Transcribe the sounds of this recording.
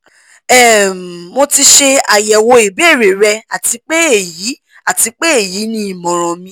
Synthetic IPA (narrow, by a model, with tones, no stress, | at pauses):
ɛ˨mo˧ti˧ʃe˧a˨jɛ˨wo˧i˨be˦˨ɾe˨ɾɛ˧a˨ti˧k͡pe˦e˦˨ji˨˦ | a˨ti˧k͡pe˦e˦˨ji˨˦nĩ˦i˨mɔ̃˨ɾ̃ɔ̃˨mĩ˧˦